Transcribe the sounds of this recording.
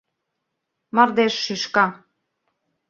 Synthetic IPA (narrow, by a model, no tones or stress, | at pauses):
mɑrd̪eʃːyʃkɑ